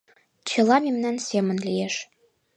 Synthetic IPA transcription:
t͡ɕɤ̆lˠɑmemnænsʲemə̆nlijeʃ

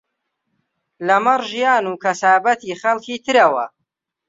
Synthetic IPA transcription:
lɐmɐrʒijaːnuːkʰɐsaːbɐt̪ʰiːχɐlkʰiːt̪ʰɨɾɐwɐ̰

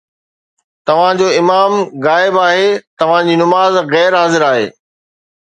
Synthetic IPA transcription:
t̪ɐʋ̤ãd͡ʑoːɪmaːmɣaːɪbaːɦet̪ɐʋ̤ãd͡ʑiːnʊmaːzɣɛːɾɦaːzɪɾaːɦḛː

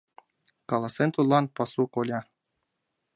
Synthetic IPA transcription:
kɑlˠɑsent̪ulˠɑnpɑsukolʲɑ

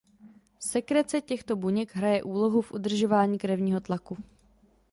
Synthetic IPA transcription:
fsɛkɾɛt͡sɛcɛxt̪o̞buɲɛɡɦɾajɛʔuːlo̞ɦufʔud̪r̩ʒo̞vaːɲiːkɾɛvɲiːɦo̞t̪laku

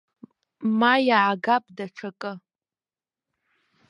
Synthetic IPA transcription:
majaʕaɡapʼdaʈ͡ʂʰakʼɨ

